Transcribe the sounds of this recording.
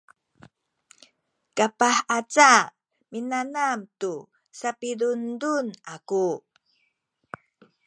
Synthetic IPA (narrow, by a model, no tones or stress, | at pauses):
kapaħat͡sa | minanamtu | sapidundunaku